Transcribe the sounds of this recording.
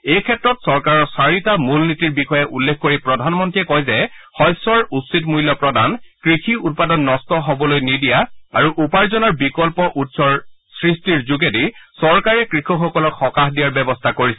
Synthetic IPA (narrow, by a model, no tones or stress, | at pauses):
ejkʰɛtːɹɔtsɔɹkaɹɔsaɹitamulnitiɹbixɔjɛʔulːekʰkoɹipɹɔdʱanmɔntɹiɛkɔjzɛ | xɔjsɔɹutsitmujlːɔpɹɔdankɹixʰiut̚padɔnːɔstɔɦobɔlojnidijaa̰ɹuʔupaɹzɔnɔɹbikɔlpɔʔutsɔɹsɹistiɹzuɡedisɔɹkaɹɛkɹixʰɔxɔkɔlɔkxɔkaxdijaɹbɛbɔstʰakoɹisɛ